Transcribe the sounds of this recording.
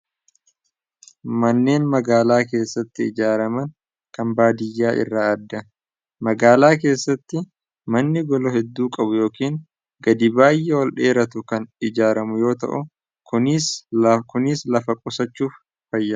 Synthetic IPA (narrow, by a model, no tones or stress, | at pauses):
mɐnːe̞ːnmɐɡaːlaːk̬e̞ːsːɐt̪ːɪɪd͡ʒaːɾɐmɐŋ | kɐmbaːd̪ɪjːaːʔɪ̰rːaːɐd̪ːɐ | mɐɡaːlaːk̬e̞ːsːɐt̪ːɪ | mɐnːɪɡɔlɔhɛd̪ːuːkʼɐbʊjo̞ːkiːŋ | ɡɐd̪ɪbaːjʔɛwɐlᶑe̞ːɾɐt̪ʊkɐnɪd͡ʒaːɾɐmʊjo̞ːt̪ɐ̰ʔʊ | kʊnɪskʊnɪːslɐfɐkʼʊsɐt͡ʃːuːf | fɐjːɐ